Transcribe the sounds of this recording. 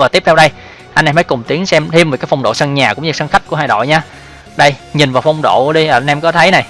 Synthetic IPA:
vaː˨˩i˦˥əp̚t̪ʰɛ˧ɗə˧j | ʔa˧nʔɛ˧məː˨˦jkʊ˨˩ŋ͡mt̪i˨˦əŋsɛ˧mt̪ʰi˧əmvkaː˨˦fa˧wŋ͡mɗo̰˧˨sə˧nɲaː˨˩kʊ˧˥ŋ͡mɲɨ˧˩sə˧nxa˦˥k̟̚ku˧˩əɦaː˧˩jɗo̰˧˨jɲaː˧ | ɗə˧jɲi˨˩nvaː˨˩wfa˧wŋ͡mɗo̰˧˨ɗi˧ʔəː˧˩a˧nʔɛ˧mkɔ˨˦t̪ʰə˨˦jna˨˩j

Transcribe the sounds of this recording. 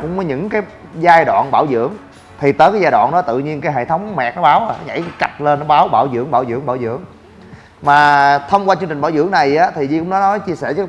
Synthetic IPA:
kʊ̰˧˥ŋ͡mməː˨˦ɲɨ̰˧˥ŋkaː˨˦j | zaː˧jɗwa̰ː˧˨nɓaː˧˩wzɨ̰˧˥əŋ | t̪ʰi˨˩t̪əː˨˦jkaː˨˦jzaː˧jɗwa̰ː˧˨nɗɔ˨˦t̪ɨ̰˧˨ɲi˧ənkaː˨˦jɦḛ˧˨t̪ʰə˨˦wŋ͡mmɛ˨˩k̚nɔ˨˦˥ɓaː˨˦wʔa˨˧˩nɔ˦ɲa̰˧˥jka̰˨˩t̚le˧nːɔ˨˦˥ɓaː˨˦wɓaː˧˩wzɨ̰˧˥əŋɓaː˧˩wzɨ̰˧˥əŋɓaː˧˩wzɨ̰˧˥əŋ | maː˨˩t̪ʰə˧wŋ͡mkwa˧t͡ɕɨ˧ŋt͡ɕŋ̟ɓaː˧˦wzɨ̰˧˥əŋna˨˩jʔaː˨˦t̪ʰi˨˩zi˧kʊ̰˧˥ŋ͡mnɔ˨˦nɔ˨˦jt͡ɕi˧əsɛː˧˩t͡ɕəː˨˦

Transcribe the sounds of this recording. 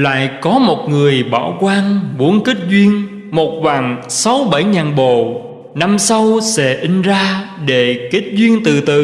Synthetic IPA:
la̰ː˧˨jkɔ˨˦mo˨˩t̚ŋɨ˨˩əjɓa̰ː˧˩wkwaː˧nɓu˨˦ənki˦˥t̚zwi˧ən | mo˨˩t̚vaː˨˩ŋsa˨˦wɓə˧˩jɲaː˨˩nɓo˨˩˨ | na˧msa˧wsɛ̰˧˥ʔï˧ŋ̟zaː˧ɗe˧˩ki˦˥t̚zwi˧ənt̪ɨ˨˩t̪ɨ̰˧˨

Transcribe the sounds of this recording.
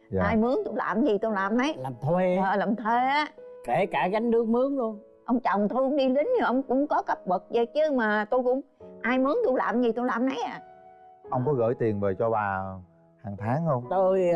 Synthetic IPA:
ʔaː˧jmɨ˨˦əŋt̪u˧jla̰ː˨˩mzi˨˩t̪u˧laː˨˩mnə˨˦jlaː˨˩mt̪ʰwe˧əː˨˩laː˨˩mt̪ʰwe˧ʔaː˨˦ke˧˩kaː˧˩ɣa˨˦jŋ̟ɗɨ˨˧˦əŋmɨ˨˦əŋlu˧ən | ʔə˧wŋ͡mt͡ɕɔ̰˨˩wŋ͡mt̪ʰu˧˦ŋ͡mɗi˧li˨˦ŋɲɨ˧˨˩ʔə˧wŋ͡mkʊ̰˧˥ŋ͡mkɔ˨˦kə˦˥p̚ɓə˨˩k̚zə̰˧˨˩t͡ɕɨ˨˧˦maː˨˩t̪u˧jkʊ̰˧˥ŋ͡mʔaː˧jmɨ˨˦əŋt̪u˧jla̰ː˨˩mzi˨˩t̪u˧jlaː˨˩mnə˨˦jʔaː˨˩ʔə˧wŋ͡mkɔ˨˦ɣə̰ː˧˥˩jt̪i˨˩ənveː˨˩t͡ɕɔ˧ɓaː˨˩ | haː˨˩ŋt̪ʰaː˨˦ŋhə˧wŋ͡mt̪ə˧j

